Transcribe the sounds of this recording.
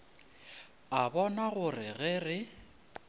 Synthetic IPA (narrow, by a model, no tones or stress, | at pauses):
abɔnaɣʊrɪɣɪrɪ